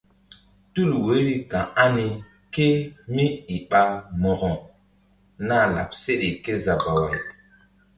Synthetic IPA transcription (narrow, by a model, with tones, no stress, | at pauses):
tu˦˨lwe˨˦ɾi˦kã˨a˦ni˨ | ke˦mi˦i˨ɓa˦mɔ˨ɣɔ̃˨ | na˦˨la̰˨p̚se˦ɗe˨ke˦za˨ba˨wa˨j